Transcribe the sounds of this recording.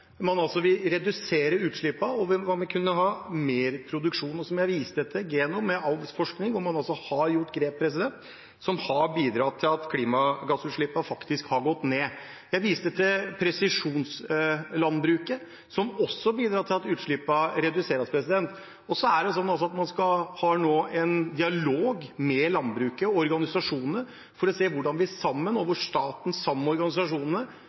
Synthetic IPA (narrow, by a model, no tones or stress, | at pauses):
mɑnɑlsɔʋɪlɾɛd̪ʉseːɾəʉːt̪ʂɭɪpːɑɔʋʋɑmɛkʰʉnːəɦɑːmeːɾpʰɾʊd̪ʉkʂuːnɔsɔmjæɪʋiːst̪ət̪ʰɪɡeːnʊmɛɑlʋəsfɔʂknɪŋʋʊɾmɑnɑlsɔhɑɾjʊʈːɡɾeːp̚pʰːɾɛsɪd̪ɛnt̪ | sɔmhɑbiːd̪ɾɑːt̪ʰɪlɑt̪kʰliːmɑɡɑsʉːt̪ʂɭɪpːɑfɑkt̪ɪskhɑɾɡɔt̪ːneː | jæɪʋiːst̪ət̪ʰɪlpʰɾɛsɪʂuːnslɑnbɾʉːkə | sɔmɔsːɔbiːd̪ɾɑːt̪ʰɪlɑt̪ʉːt̪ʂɭɪpːɑɾɛd̪ʉseːɾɑspʰɾɛsɪd̪ɛnt̪ | ɔsɔæɖɛs̬ɔnːɑlsɔɑt̪mɑnskɑhɑːnoːʔɛnd̪ɪɑloːɡmɛlɑnbɾʉːkəɔɾɡɑnɪsɑʂuːnənə | fɔɾɔseːʋʊɖɑnʋɪæsɑmːənoʋəʂt̪ɑːt̪n̩sɑmːɔɾɡɑnɪsɑʂuːnənə